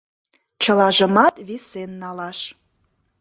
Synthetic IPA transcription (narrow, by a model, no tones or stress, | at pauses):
t͡ɕəlɑʒə̆mɑt̪βisenːɑlɑʃ